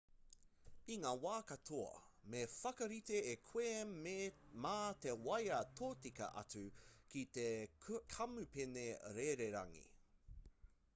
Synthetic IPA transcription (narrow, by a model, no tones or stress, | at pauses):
iŋaːwaːkɐtʰoɐ̰mefɐkɐɾiteekʰweː | maːt̪ewɐjɐtʰoːtikɐ̰ʔɐ̰t͡sʉkit̪ekʰɐmʉpeneɾeɾeɾɐ̰ŋḭ